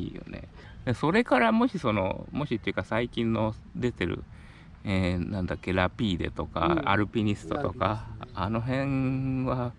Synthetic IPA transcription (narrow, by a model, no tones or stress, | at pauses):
ḭːjo̰nḛ | d̪eso̞ɾe̞kaɾamo̞ɕiso̞no̞̰mo̞ɕit̪ːeiɯ̟kasaikʲĩnːo̞ | d̪e̞t̪e̞ɾɯ̟̰ | eːnãnd̪akːe̞ɾapʲiːd̪e̞̰t̪o̞ka̰a̰ɾɯ̟pʲiɲ̟isɨ̥t̪o̞̰t̪o̞kaːno̞ɦẽ̞ŋβa